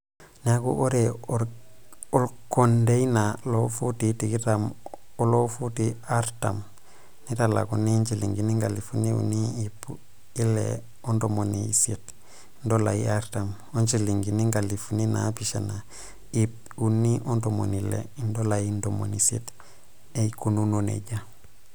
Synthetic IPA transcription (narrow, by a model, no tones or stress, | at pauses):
nakṵʔoɾe | olkondejinalofutitikitam | olofutiaɾta̰m | nitala̰kunint͡ʃiliŋɡiniŋɡalifuniṵniːpu | ilḛ | ondomoniisit | ndolajḭaɾtam | oɲt͡ʃiliŋɡiniŋɡalifunina̰piʃena | ip | unːiʔondomo̰nilḛindolajindomo̰nisḭt | eikununonḛɟa